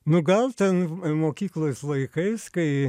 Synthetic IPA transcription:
nʊɡɐlˠt̪ʲɛnmoːkʲiːklˠoːslˠɐɪkɐɪskɐɪ

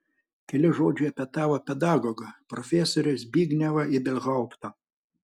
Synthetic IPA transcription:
kʲɛlʲɪʒoːd͡ʒʲʊɐpʲɛt̪ɑːʋopʲɛd̪ɑːɡoːɡɐpɾɔfʲɛsoːɾʲʊsbʲiːɡnʲɛʋɐɪd̪ʲɛlʲɣɐˑʊpt̪ɐ

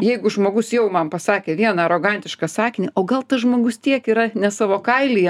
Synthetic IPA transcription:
jɛɪɡʊʒmoːɡʊsjɛʊmɐmpɐsɑːkʲeːʋʲiɛnɐɾoːɡɐnʲt̪ʲɪʃkɑsɑːkʲɪnʲiʔoːɡɐlˠt̪ɐsʒmoːɡʊst̪ʲiɛkiːɾɐnʲɛsɑːʋoːkɐɪlʲiːjɛ

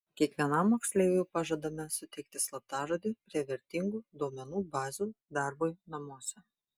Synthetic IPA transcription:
kʲiɛkʋʲiɛnɐmːoːksʲlʲɛjjɛpɑʒɐd̪ɐmʲɛsʊt̪ʲɛɪk̚t̪ʲɪslˠɐt̪ɑːʒod̪ʲiːpʲɾʲiɛʋʲɛɾʲt̪ʲɪŋɡuːd̪oːmʲɛnuːbɑːzʲud̪ɑˑɾboːjnɐmuɔsʲɛ

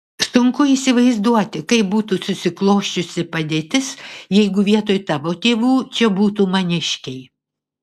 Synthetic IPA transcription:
sʊŋkʊiːsʲɪʋɐɪzd̪uɔt̪ʲɪkɐɪp̚buːt̪uːsʊsʲɪklˠoːʃʲt͡ʃʲʊsʲɪpɐd̪ʲeːt̪ʲɪsjɛɪɡʊʋʲiɛt̪oːjt̪ɑʋoːt̪ʲeːʋuːt͡ʃʲɛbuːt̪uːmɐnʲɪʃʲkʲɛɪ

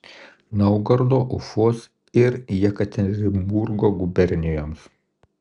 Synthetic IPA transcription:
nɐʊɡɐɾd̪oːʔʊfoːs | ɪɾjɛkɐt̪ʲɛnʲɾʲɪmbuɾɡoːɡʊbʲɛɾʲnʲɪjoːms

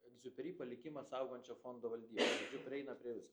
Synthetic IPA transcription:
ɛɡzʲʊpʲɛɾʲiːpɐlʲɪkʲɪmɐsɐʊɡonʲt͡ʃʲɛfond̪oːʋɐlʲd̪ʲiːboɐɡzʲʊpʲɾʲɛɪnɐpʲɾʲiɛʋʲɪs

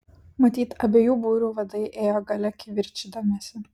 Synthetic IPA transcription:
mɐt̪ʲiːt̪ɐbʲeːjuːbuːɾʲuːʋɐd̪ɐɪʔeːjoːɡɐlʲɛkʲɪʋʲɪɾʲt͡ʃʲid̪omʲɛsʲɪ

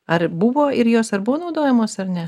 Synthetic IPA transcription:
ɐɾbʊʋoːɪɾjoːsɐɾbʊʋoːnɒʊd̪oːjɛmoːsɐɾnʲɛ

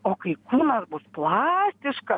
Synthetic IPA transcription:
oːkɐɪkuːnɐsbʊsplˠɑːsʲt̪ʲɪʃkɐ

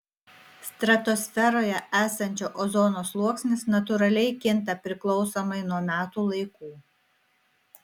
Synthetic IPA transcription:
st̪ɾɐt̪ɔsʲfʲɛɾoːjɛʔæːsɐnʲt͡ʃʲoːʔɔzɔnoːslˠuɔksʲnʲɪsnɐt̪ʊɾɐlʲɛɪkʲɪnˑt̪ɐpʲɾʲɪklˠɒʊsomɐɪnuɔmʲæːt̪uːlˠɐɪkuː

